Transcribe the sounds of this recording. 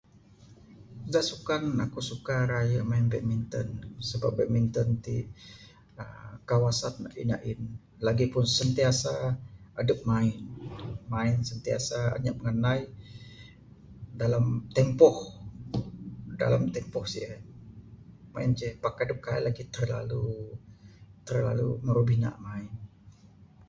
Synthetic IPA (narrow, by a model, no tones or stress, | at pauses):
daʔsukanakusukaɾajaʔmaɪnbɛʔ̚mint̪ɔnsəbap̚bɛʔ̚mint̪ɔnt̪i | əkawasat̪̚na̰ʔḭna̰ʔɪn | laɡipʊnsənt̪iasaadəp̚maɪnmaɪnsənt̪ia̰saa̰ɲaʔməŋənai | dalamt̪ɛmpɔh | da̰lamt̪ɛmpɔhsḭa | ma̰ɪnt͡ʃɛpakadəp̚kailaɡit̪ərla̰lu | t̪ərla̰lṵməɾubina̰ʔmaɪn